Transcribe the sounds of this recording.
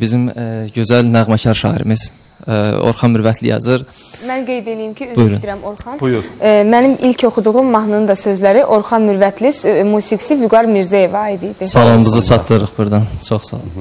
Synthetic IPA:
bizimɟø̞zælnæɣmɑcʰɑɾʃɑ̰ːḭɾimiz̥ | o̰ɾχɑnmyɾvæt̪ʰlḭjɑ̰zɯɾ | mænɡejd̪elijimcʰiyzbujɾuniɾæmoɾχɑnmænimilcʰo̞χud̪uɣumːɑɦnɯnd̪ɑsø̞zlæɾiʔo̞ɾχɑnmyɾvæt̪ʰlismuːsiɡsivuɡɑɾmiɾzæje̞vɑːjid̪ijd̪isɑlˠɑmbɯzɯsʰɑt̪ʰlɯɾɯχbuɾd̪ɑnt͡ʃʰoχsɑ̰lˠɑ̰m

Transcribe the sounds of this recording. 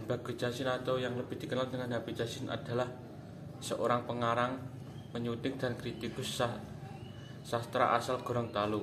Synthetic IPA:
b̥a̤ɡ̥o̤̥d͡ʒ̥a̤sɪnat̪awjaŋləb̥ɪ̤hd̪̥i̤kənalt̪əŋaŋdabi̥d͡ʒasɪna̰d̥a̤lah | səʔoɾaŋpəŋaɾaŋ | məɲut̪ɪk̚d̪̥a̤nkɾit̪ikʊs | sast̪ɾa̰ʔa̰salɡ̥o̤ɾɔŋt̪alu

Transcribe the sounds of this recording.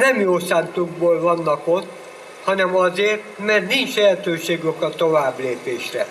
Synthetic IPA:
nɛmjoːsaːnt̪uɡ̚boːlvɒnːɒko̞t̪ː | hɒnɛmɒzeːrt̪mɛrt̪nint͡ʃlɛɦɛt̪øːʃeːɡokɒt̪o̞vaːbleːpeːʃrɛ̰

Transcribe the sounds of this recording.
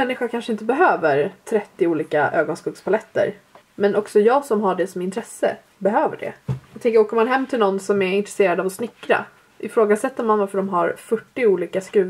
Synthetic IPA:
mɛnːɪɧakʰanʂəɪnt̪əbɛɦøːvəɾt̪ʰɾɛt̪ːɪuːliːkaʔøːɡɔnskuːpspʰalɛt̪ːə̰ɾ | mɛnʔɔksɔjɑːɡsɔmɦaɖɛsɔmɪnt̪ʰɾɛsːə̰ | bɛɦøːvə̰ɖɛ̰aɡt̪ʰɛŋkəɾoːkəɾmanɦɛmːt̪ʰɪlnɔnːsɔmɛɾɪnt̪ɾɛseːɾad̪avɔsnɪkːɾa̰ | ʔɪfɾoːɡasɛt̪ːəɾmanvaɾfœɖɔmɦaɾfœʈːɪuːliːkaskɾʉ̟ː

